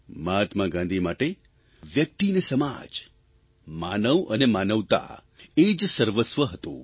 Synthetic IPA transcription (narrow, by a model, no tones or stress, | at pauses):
mat̪maɡãnd̪ʱimaʈe | ʋjək̚t̪inesəma̰d͡ʒ | manəʋənemanəʋt̪a̰ | ed͡ʒsəɾʋəsʋəɦət̪õ̰